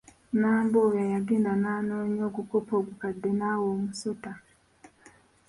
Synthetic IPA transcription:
naːmbojajaɡendanaːnoːɲo̞ːɡukopoːɡukadːenaːwoːmusota

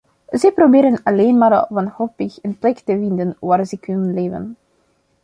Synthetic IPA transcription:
zɛjprobɪːɾənɑleːnmaːɾʋɑnholpɪxənplɛktəvɪndənʋaːrzɛkʰʏnənleːvə̰n

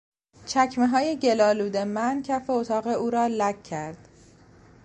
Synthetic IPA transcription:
t͡ʃʰæcʰme̞ɦɒːje̞ɟe̞lɒːluːd̪e̞mæncʰæfeot̪ʰɒːɣe̞uːɾɒːlækʰːæɾd̪̥

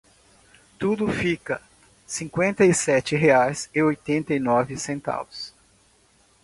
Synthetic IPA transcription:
t̪ud̪ʊfikɐ | sĩŋkwẽnt̪ɐisɛt͡ʃɪɦeajsɪojt̪ẽnt̪ɐinɔvɪsẽnt̪a̰vʊs

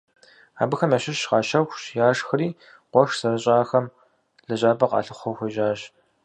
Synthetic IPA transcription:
a̰ːbɨxɐmaɕɪɕʃqɑːʃɐxʷɕjaːʂxɐɾiː | qʷɔʂsɐrɐɕʼaːxɐm | ɮɐʑʼaːbɐqɑ̰ːɬɨχʷɔxʷɐʒaːɕ

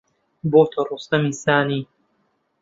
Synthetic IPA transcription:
boːt̪ʰɐruːst̪ɐmiːsaːniː

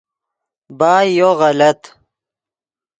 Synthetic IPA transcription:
baːjoɣɐlɐt̪

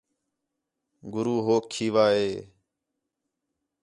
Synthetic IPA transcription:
ɡʊɾuːɦoːkʰːiːʋaːɦeː

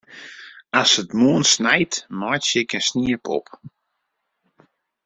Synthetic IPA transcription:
asətmuənsnɛjtmɔjtsɪkənsniəpʰɔ̰p

